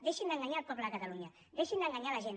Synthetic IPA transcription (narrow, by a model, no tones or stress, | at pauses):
d̪eʃind̪əŋɡaɲalpɔpləkat̪aluɲa | d̪eʃind̪əŋɡaɲalaʒen